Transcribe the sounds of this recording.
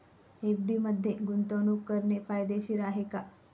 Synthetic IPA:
efɖiməd̪ʱːjeɡunt̪onukːəɾɳepajd̪eɕiːɾaɦeka

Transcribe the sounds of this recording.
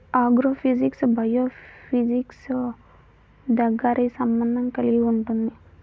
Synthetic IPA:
aːɡɾoːpʰid͡ʒiksbʱɐjoːpʰid͡ʒiks | d̪ɐɡaːɾisɐmbɐnd̪ʱɐŋkɐliɡiuɳʈund̪i

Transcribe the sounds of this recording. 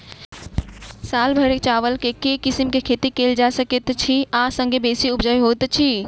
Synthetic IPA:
salbʱəɾet͡ʃaʋəlkekekisimkekʰet̪ikeld͡ʒasəket̪t͡ʃʰiasə̃ŋɡʱebesiubd͡ʒəjɦot̪t͡ʃʰi

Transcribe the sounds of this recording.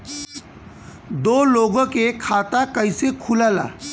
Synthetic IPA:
d̪oloɡəkekʰat̪akəjsekʰulala̰

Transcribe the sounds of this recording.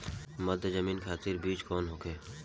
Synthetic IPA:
mɐd̪zɐmiːnkʰaːt̪ɪɾbiːt͡ʃkɔːnɦoːkeː

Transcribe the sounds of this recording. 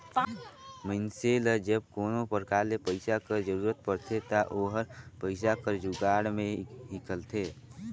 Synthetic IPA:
məɪnseləd͡ʒəb̚koːnopəɾkaːɾlepəɪsakəɾd͡ʒəɾuːɾət̪̚pəɽt̪ʰet̪aʔoːɦəɾpəɪsakəɾd͡ʒuɡaːɽmẽɦɪkəlt̪ʰeː

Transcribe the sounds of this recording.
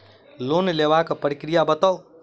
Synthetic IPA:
lonlebakpəɾikɾijabət̪əw

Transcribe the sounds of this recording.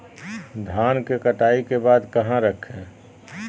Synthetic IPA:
d̪ʱaːnkekəʈaːikebaːd̪kɐɦãɾəkʰẽː

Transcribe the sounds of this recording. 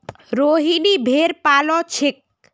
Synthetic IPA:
ɾoɦinibʱeɾpalɔt͡ʃʰik̚

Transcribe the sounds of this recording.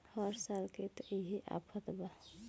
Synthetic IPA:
həɾsalket̪iɦiʔa̰pʰət̪ba

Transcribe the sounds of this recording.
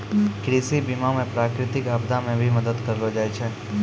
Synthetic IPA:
kɾisibimamẽpɾaːkɾɪt̪ɪkəbd̪amẽbʱiməd̪əd̪kəɾlod͡ʒaːjt͡ʃʰe

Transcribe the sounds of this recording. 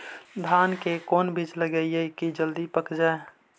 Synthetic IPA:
d̪ʱaːnkekɔːnbʱid͡ʒləɡəieikid͡ʒəld̪ipəkd͡ʒaːe

